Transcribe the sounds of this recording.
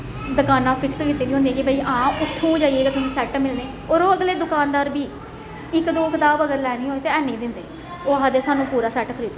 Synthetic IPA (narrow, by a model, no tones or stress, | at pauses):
d̪əkaːnãːpʰɪkskiːt̪iːniːɦʊnd̪iɛːkɪbʱaiːʔãːʊt̪ʰːũːd͡ʒaːieːket̪ʊsĩːsɛːʈmɪlneː | oːɾoːəɡleːd̪ʊkaːnd̪aːɾbiː | ɪkd̪oːkɪt̪aːbəɡəɾlɛːniːɦoːeːt̪eːɛːnẽːd̪ɪnd̪eː | oːɦaːd̪eːsaːnũːpuːɾaːsɛːʈkʰəɾiːt̪o